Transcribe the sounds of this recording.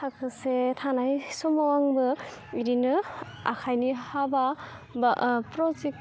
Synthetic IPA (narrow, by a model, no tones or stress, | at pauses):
tʰakʰɯsetʰanajsɔmawaŋbɯ | iɾinɯ | a̰kʰajnihaba | bpɾɔzek̚